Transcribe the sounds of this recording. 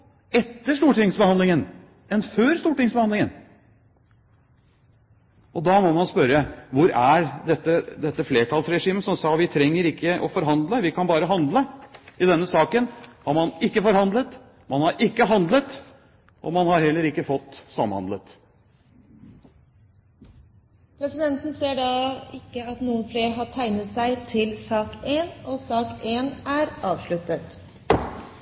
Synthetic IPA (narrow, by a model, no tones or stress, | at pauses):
ɛt̪ːəʂt̪uːʈɪŋsbəhɑnd̪lɪŋən | ɛnføːɾst̪uːʈɪŋsbəhɑnd̪ɪŋən | ɔd̪ɑmɔmɑnspœɾəʋʊɾæd̪ɛt̪ːəd̪ɛt̪ːəfleːʈʰɑlsɾɛʂiːməsɔmsɑːʋɪt̪ʰɾɛŋːəɾɪkːəʔɔ̰fɔɾɦɑnd̪ləʋɪkʰɑnbɑːɾəɦɑnd̪ləɪd̪ɛnːəsɑːkənhɑɾmɑnɪkːəfɔɾhɑnd̪lət̪ | mɑnhɑɾɪkːəɦɑnd̪lət̪ | ʔɔ̰mɑnhɑɾhɛlːəɾɪkːəfɔt̪ːsɑmhɑ̰nd̪lət̪ | pʰɾɛsɪd̪ɛnt̪n̩seːɖɑɪkːəɑt̪nuːənfleːɾɦɑʈʰæɪnət̪sæɪt̪ʰɪlsɑːkeːnɔsɑːkeːnæɾɑːʋʂɭʉt̪ːət̪